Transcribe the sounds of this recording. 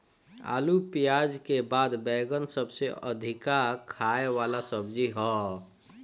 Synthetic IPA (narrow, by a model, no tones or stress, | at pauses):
a̰ːlupijaːd͡ʒkebaːd̪bɛːɡənsəbseə̰d̪ʱɪkakʰaewaːlasəbd͡ʒiɦɔː